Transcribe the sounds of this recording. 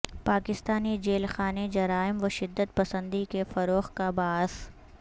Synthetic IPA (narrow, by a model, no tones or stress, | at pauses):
paːkɪst̪aːnid͡ʒeːlxaːned͡ʒɐɾaːɪmʋɐʃɪd̪ːət̪̚pɐsə̃nd̪ikefɐɾoːxkabaːɦz